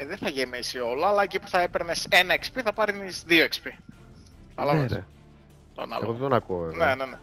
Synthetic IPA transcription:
ðeθɐʝemisio̞lɐːlɐecipu̥θɐe̞peɾnese̞nɐekspiθɐpɐɾnisðioekspi | θɐlɐmɾse | t̪o̰nɐ̰leɣoððonɐkuovevnenene

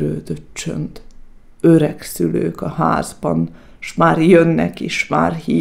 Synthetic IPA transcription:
ɾøːd̪øtt͡ʃø̰nt̪ | øɾɛksyløːkɒha̰ːzbɒn | ʃmaːrjønːɛkeːʃma̰ːrhi

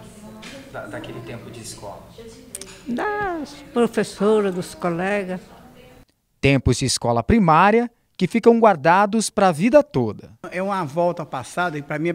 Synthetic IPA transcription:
d̪ɐd̪akelɪt̪ẽmpʊd͡ʒɪiskɔ̰lɐ | d̪ɐspɾofesoɾɐd̪ʊskolɛɡɐs | t̪ẽmpʊzd͡ʒɪːskɔlɐpɾimaɾjɐ | kɪfikɐ̃w̃ɡwaɾd̪ad̪ʊspɾɐːvid̪ɐt̪od̪ɐɛũmɐvɔwt̪ɐpasad̪ɐɪpɾɐmĩ

